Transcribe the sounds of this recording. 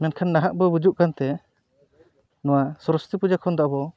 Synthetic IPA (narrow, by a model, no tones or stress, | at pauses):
mɛnkʰanːaɦaʔ̚bɔbud͡ʒuʔkant̪ɛ | nɔwasɔɾɔst̪ipud͡ʒakʰɔnd̪aʔbɔ